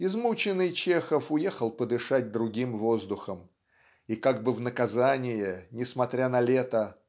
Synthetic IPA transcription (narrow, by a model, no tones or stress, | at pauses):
ɪzmut͡ɕɪnːɨjt͡ɕexəfʊjexəlˠpəd̪ɨʂat̚ʲd̪ɾʊɡʲimvo̞zd̪ʊxəm | ikaɡ̚bɨvnəkɐzanʲɪjɪnʲɪsmɐt̪ɾʲanɐlʲet̪ə